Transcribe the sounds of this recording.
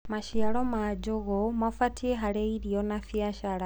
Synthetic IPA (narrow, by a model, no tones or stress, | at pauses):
maʃialomad͡ʒuɣomafatʰieɦaleiɾjonafjaʃaɾa